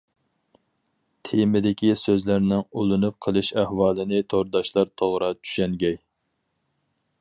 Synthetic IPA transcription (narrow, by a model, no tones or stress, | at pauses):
t̪ʰemɪd̪ɪkʲisøzlæɾnɪŋulˠɨnup̚qʰəlˠɨʃæhwɑːlˠɨnɪt̪ʰoɾd̪ɑʃlˠɑɾt̪ʰoʁɾɑt͡ʃʰy̥ʃɛŋɡʲɛj